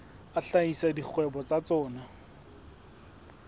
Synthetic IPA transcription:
aɬaisadik͡xʰwɛbɔt͡sat͡sɔːna

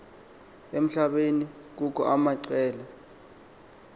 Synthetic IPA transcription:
em̩ɬaɓeni | k̬uk̬ʰʼɔʔamaǀɛːla

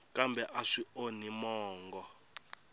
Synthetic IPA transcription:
kʼambɛʔaʂionimɔːŋɡɔ

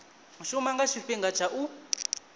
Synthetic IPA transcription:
muʃumaŋɡaʃiɸiŋɡat͡ʃʰaʔu

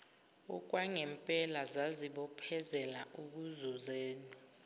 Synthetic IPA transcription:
ɔ̰k̬ʼwaŋɛmpʼɛlazaziɓɔpʰɛzɛlaʔuk̬uzuzeːnɔ

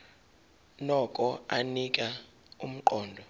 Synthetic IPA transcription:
nɔkʼɔanikʼa | um̩ǃɔːndʱɔ

